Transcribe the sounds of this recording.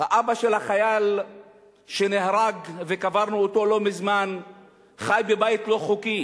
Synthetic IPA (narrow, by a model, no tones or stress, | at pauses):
haʔabaʃe̞lhaχajal | ʃe̞nehʁaɡvekavaʁnuot̪o̞lo̞mizman | χajbebajit̪lo̞χuki